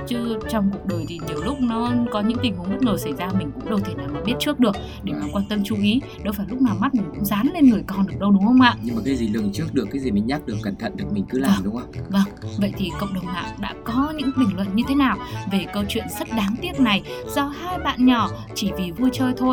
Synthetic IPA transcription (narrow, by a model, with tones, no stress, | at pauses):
t͡ɕɨ˨˧˦t͡ɕɔ˧wŋ͡mku˨˩ək̚ɗəː˨˩jt̪ʰi˨˩ɲi˨˩əwlʊ˦˥k͡p̚nɔ˨˦kɔ˨˦ɲɨ̰˧˥ŋt̪ï˨˩ŋ̟hʊ˨˩ŋ͡mzə˦˥t̚ŋəː˨˩sa˧˩jzaː˧mï˨˩ŋ̟kʊ̰˧˥ŋ͡mɗə˧wt̪ʰi˧˩naː˨˩maː˨˩ɓi˦˥ət̚t͡ɕɨ˦˥ək̚ɗɨ˨˩ək̚ | ɗe˧˩maː˨˩kwaː˧nt̪ə˧mt͡ɕu˧ʔi˨˦ | ɗə˨˦wfaː˧˩jlʊ˦˥k͡p̚naː˨˩wma˦˥t̚mï˨˩ŋkʊ̰˧˥ŋ͡mzaː˨˦nle˧nŋɨ˨˩əjkɔ˨˩nɗɨ˨˩ək̚ɗə˧wɗʊ˨˦ŋ͡mhə˧wŋ͡mʔa̰ː˧˨ʔɲɨ˧maː˨˩kaː˨˦jzi˨˩lɨ˨˩əŋt͡ɕɨ˦˥ək̚ɗɨ˨˩əkːaː˨˦jzi˨˩mï˨˩ŋ̟ɲaː˦˥k̚ɗɨ˨˩əkːa˧˩ŋt̪ʰə̰˧˨nɗɨ˨˩k̚mï˨˩ŋ̟kɨ˨˦la˨˧˩ɗʊ˨˦ŋ͡mʔə˧wŋ͡mvə˧ŋvə̰˧˨jt̪ʰi˨˩kə̰˧˨ŋ͡mɗə˨˩wŋ͡mma̰ː˧˨ŋɗa̰ː˧˥kɔ˨˦ɲɨ̰˧˥ŋɓï˨˩ŋ̟lwə̰˧˨nɲɨ˧t̪ʰe˨˦naː˨˩wve˨˩kəː˧t͡ɕwḭ˧˨ənzə˦˥t̚ɗaː˨˦ŋt̪i˦˥ət̚na˨˩jz̥ɔ˧haː˧jɓa̰ː˧˨nɲɔ˧˩ | t͡ɕi˧˩vi˨˩vu˧jt͡ɕəː˧jt̪ʰo˧j